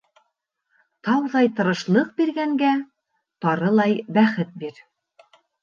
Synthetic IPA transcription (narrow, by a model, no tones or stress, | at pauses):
t̪ɑwðɑjt̪ɤ̆ɾɤ̆ʃlˠɤq̚biɾɡæŋɡæ | t̪ɑɾɤlˠɑjbæχɘt̪̚biɾ